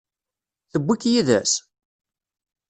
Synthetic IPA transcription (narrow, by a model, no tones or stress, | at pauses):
θəbʷːikːjiðæ̰s